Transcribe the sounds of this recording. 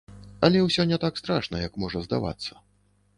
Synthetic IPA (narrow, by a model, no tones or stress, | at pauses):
ɐlʲɛwsʲɔnʲɛt̪akst̪ɾaʂnɐjɐkmɔʐɐzd̪a̰va̰t̪sːɐ